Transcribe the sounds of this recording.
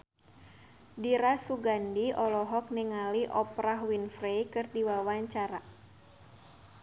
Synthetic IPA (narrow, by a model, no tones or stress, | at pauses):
diɾasuɡandiɔlɔɦɔk̚niŋaliʔɔpɾaɦwinfrejkɨrdiwawaɲt͡ʃaɾa